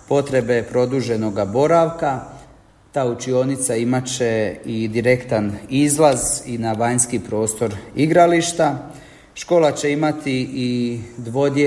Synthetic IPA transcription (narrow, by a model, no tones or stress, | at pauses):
po̞t̪ɾe̞be̞pɾo̞d̪uʒe̞no̞ɡabo̞ɾaʋka | t̪aːut͡ʃio̞nit̪saimat͡ɕe̞id̪iɾe̞kt̪anizlˠazinaʋaɲskipɾo̞ːst̪o̞ɾiɡɾaliʃt̪a | ʃko̞ːlat͡ɕe̞imat̪iid̪ʋo̞d̪e